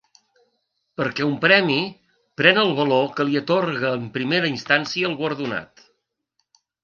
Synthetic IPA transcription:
pəɾkɛumpɾɛmi | pɾɛnəlˠβ̞əlokəliət̪orɣəːmpɾimeɾəinst̪ansiəːlˠɣwəɾðuna̰t̪

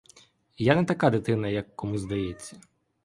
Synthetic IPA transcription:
janɛt̪ɐkad̪ɪt̪ɪnɐjɐkːɔmuzd̪ɐjɛt͡sʲːɐ

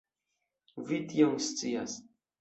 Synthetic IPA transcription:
vit̪joŋst͡sia̰s

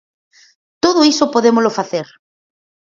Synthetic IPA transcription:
t̪oðʊisopoðemolofaθeɾ

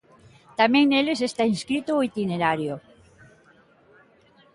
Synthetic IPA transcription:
t̪amẽŋnelesest̪aĩnskɾit̪ooit̪ineɾaɾjo

